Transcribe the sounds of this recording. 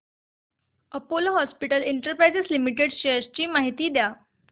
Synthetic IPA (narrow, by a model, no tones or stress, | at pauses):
əpoloɦɔspiʈəleɳʈəɾpɾajd͡zeslimiʈeɽɕest͡ɕiːmaɦit̪iːd̪ja